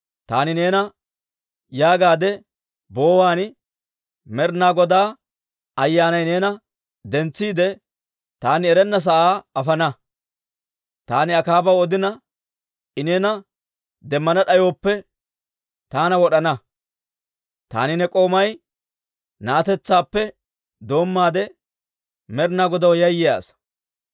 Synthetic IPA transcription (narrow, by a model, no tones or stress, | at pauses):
t̪aːnɪne̞ːnɐ | jaːɡaːd̪ɛ | bo̞ːwaːn | mɛɾnaːɡɔd̪aː | ɐjːaːnɐjne̞ːnɐ | d̪ɛnt͡sːiːd̪ɛ | t̪aːnɪɛɾɛnːɐs̬ɐʔaːɐfɐnɐ | t̪aːnɪɐkaːbɐwɔd̪ɪnɐ | ɪneːnɐ | d̪ɛmːɐnɐɗɐjoːpːɛ | t̪aːnɐwɔɗɐnɐ | t̪a̰ːnɪnɛkʼo̞ːmɐj | naːt̪ɛt͡sːaːpːɛ | d̪o̞ːmːaːd̪ɛ | mɛɾnaːɡɔd̪ɐwjɐjːɪja̰ːs